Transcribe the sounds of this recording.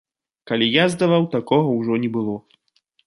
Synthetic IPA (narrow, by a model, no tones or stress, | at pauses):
kalʲijazd̪avawt̪akɔɣɐwʐɔnʲɛbɨlˠɔ